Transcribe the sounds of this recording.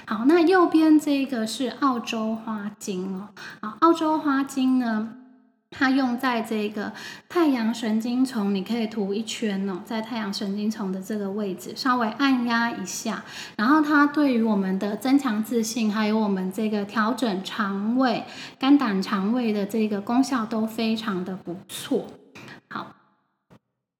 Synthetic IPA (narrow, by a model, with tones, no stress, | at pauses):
xɑ˨˩ʊna˥˧jo˥˨˩ʊpjɛ˥nʈ͡ʂɤ˥˩i˧ɡə˨˩ʂɻ̩˥˧ʔɑ˥˩ʊʈ͡ʂo˥ʊxwa˥t͡ɕi˥ŋɔ˨˦xɑ˨˩˦ʔɑ˥˩ʊʈ͡ʂo˥ʊxwa˥t͡ɕi˥ŋnə˨ | t̪ʰa˥jʊ˥˧ŋt͡sa˥˧ɪʈ͡ʂɤ˥˩˦ɡə˩t̪ʰa˥˩ɪjɑ˧˥ŋʂə˧˥nt͡ɕi˥ŋt͡sʰʊ˧˥ŋni˨˩kʰɤ˧˥i˨˩t̪ʰu˧˥i˥˩t͡ɕʰɥɛ˥nɔ˨t͡sa˥˧ɪt̪ʰa˥˩ɪjɑ˧˥ŋʂə˧˥nt͡ɕi˥ŋt͡sʰʊ˧˥ŋd̪ə˨ʈ͡ʂɤ˥˩ɡə˩we˥˩ɪd͡zɹɻ̩˨˩ʂɑ˥ʊwe˧˥ɪʔa˥˧nja˥i˧˥ɕja̰˥˩ | ɻa˧˥nxo˥˩ʊt̪ʰa˥t̪we˥˩ɪy˧˥wɔ˨˩mə˨˩nd̪ə˧t͡sə˥nt͡ɕʰjɑ˧˥ŋt͡sɹ̩˥˧ɕi˥˩ŋxa˧˥ɪjo˧˥ʊwɔ˨˩mə˦nʈ͡ʂɤ˥˩ɡə˩t̪ʰjɑ˧˥ʊʈ͡ʂə˨˩nʈ͡ʂʰɑ˧˥ŋwe˥˩ɪka˥nt̪a˨˩nʈ͡ʂʰɑ˧˥ŋwe˥˩ɪd̪ə˩ʈ͡ʂɤ˥˩˦ɡə˩kʊ˥ŋɕjɑ˥˩ʊt̪o˥ʊfe˥ɪʈ͡ʂʰɑ˨˧˥ŋd̪ə˧pu˧˦t͡sʰwɔ˥˩hɑ˨˩˦ʊ